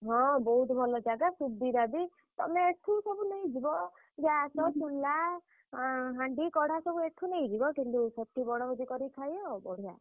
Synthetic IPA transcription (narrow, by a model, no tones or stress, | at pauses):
ɦɔ̃bɔɦut̪bʱɔlɔd͡ʒaɡasud̪iɾabi | t̪ɔ̰meeʈʰusɔbuneĩd͡ʒibɔ | d͡ʒasɔt͡ʃulːa | ɦaɳɖikɔɽ̤asɔbueʈʰuneĩd͡ʒibɔkint̪usɔt̪ʰibɔɽ̃ɔbɔd̪ikɔɾikʰajbɔɽ̤ija̰